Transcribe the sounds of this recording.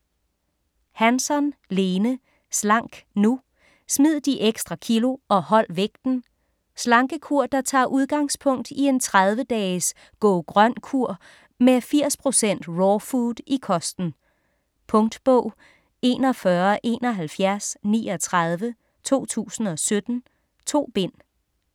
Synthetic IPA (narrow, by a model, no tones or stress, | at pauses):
hænsɒ̽nle̝ːnə | slɑ̈ŋ̰ɡ̥nu | smið̞̰ˠd̥iʔeɡ̥sd̥ʁɑ̈kʰilo̝ʔɒ̽hɒ̽l̰ʋeɡ̥̚d̥n̩ | slɑ̈ŋɡ̥əkʰuɐ̰d̥ɑ̈t͡sʰɑ̰̈ːʔuð̞ˠɡ̥ɑ̈ŋspʰɔ̽ŋ̰d̥ie̝nt͡sʰʁað̞ˠʋəd̥ɛːs | ɡ̥ɔːɡ̥ʁɶn̰kʰuɐ̰ | mefiɐ̰spʰʁo̝sen̰d̥ʁɒːfudˠikʰɒ̽sd̥n̩ | pʰɔ̽ŋd̥b̥ɔʊ̰ | e̝̰ːnɒ̽fɶɐʔe̝ːnɒ̽ɦælfjæɐsnḭːɒ̽t͡sʰʁɑð̞ˠʋə | t͡sʰo̝̰ːt͡sʰṵːsn̩ɒ̽sød̥n̩ | t͡sʰo̝̰ːb̥e̝n̰